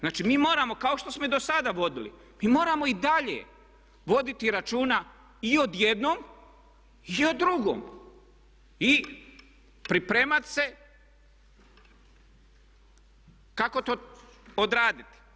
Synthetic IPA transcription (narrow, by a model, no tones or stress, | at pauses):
znaːt͡ʃimiːmo̞ːɾamo̞kao̞ʃt̪o̞smo̞id̪osad̪aʋo̞d̪ilḭ | miːmo̞ːɾamo̞id̪aʎḛ | ʋo̞d̪it̪iɾat͡ʃuːna | io̞d̪jed̪nom | iod̪ːɾuɡo̰ːm | i | pɾipɾeːmat̪se̞ | kako̞t̪oːod̪ɾaːd̪it̪i̥